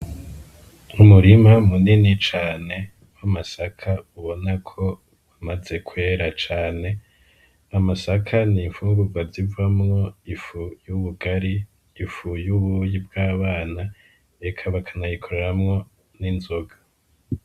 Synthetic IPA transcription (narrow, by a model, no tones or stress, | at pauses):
umuɾimamuninit͡ʃaːne̞ | wamasakʰauβo̞nakʰo̞ | βamaze̞kʰwe̞ːɾat͡ʃaːne̞ | amasakʰaniɱfuːŋɡuɡwazivamŋo̞ifujuβuɡaɾiː | fujuβujib̚ɡaːβaːna | ekʰaβakʰanajikʰoɾeɾamŋo̞ | ninzoɡḁ